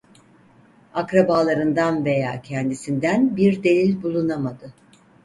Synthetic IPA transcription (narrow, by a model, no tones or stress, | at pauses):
akɾabaːlˠaɾɯnd̪anve̞ja̰ːcʰɛnd̪isind̪ænbiɾd̪e̞lʲilʲbulˠunamad̪ɯ